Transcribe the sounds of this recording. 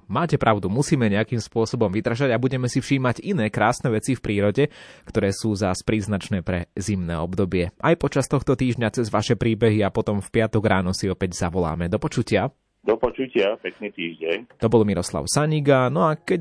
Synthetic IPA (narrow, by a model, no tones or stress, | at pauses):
maːcɛpɾʔaʊd̪umusiːmɛɲɛakimspʊɔsɔbɔmʋid̪r̩ʒaɟabuɟɛmɛsifʃiːmaɟinɛːkɾaːsnɛʋɛt͡sifpɾiːɾɔɟɛkt̪ɔɾɛːsuːzaspɾiːznat͡ʃnɛːpɾɛzimnɛ̰ːɔbd̪ɔbɪɛʔajpɔt͡ʃast̪ɔxt̪ɔt̪iːʒɲat͡sɛzʋaʃɛpɾiːbɛɦiapɔt̪ɔmfpɪat̪ɔɡɾaːnɔsiɔpɛɟzaʋɔla̰ːmɛd̪ɔpɔt͡ʃucɪa | d̪ɔpɔt͡ʃucɪapɛknit̪iːʒɟɛɲt̪ɔbɔlmiɾɔsla̰ʊsaɲiɡanɔakɛ